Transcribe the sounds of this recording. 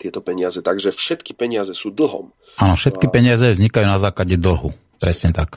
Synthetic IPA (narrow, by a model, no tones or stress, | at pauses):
t̪ɪɛt̪ɔpɛɲɪazɛt̪aɡʒɛfʃɛt̪ki̥pɛɲɪazɛsuːd̪l̩ɦɔ̰m | ʔaːnɔfʃɛt̪kipɛɲɪazɛvzɲikajuːnazaːklaɟɛd̪l̩ɦu | pɾɛsɲɛt̪ak